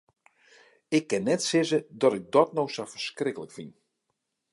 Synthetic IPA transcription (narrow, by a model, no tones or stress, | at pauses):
ɪkːɪnːɛtsɪzədɔtɪk̚dɔtnowsawfərskrɪkələkfin